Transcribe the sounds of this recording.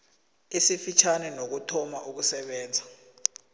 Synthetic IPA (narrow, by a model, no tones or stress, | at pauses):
isifit͡ʃʰanɛnok̬utʰɔmaʔuk̬usɛɓɛːnd͡zʱa